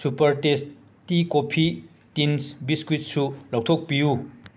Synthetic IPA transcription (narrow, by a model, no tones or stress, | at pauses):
supɐɾʈes | tikopʰi | tinsbiskwit̚sʰulɔk̚t̪ʰok̚piju